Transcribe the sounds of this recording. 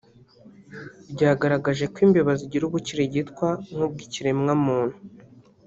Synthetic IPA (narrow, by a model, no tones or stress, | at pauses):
bɟaːɡaɾaɡaʒe̞kwiːmbeβaziɟiɾuβuciɾeɟitkwaŋhub̚ɡiciɾemŋamuːn̥hu